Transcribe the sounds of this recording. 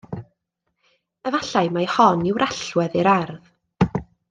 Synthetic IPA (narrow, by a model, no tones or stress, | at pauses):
əvaɬajmajhɔnɪwɾʔaɬwɛðiɾarð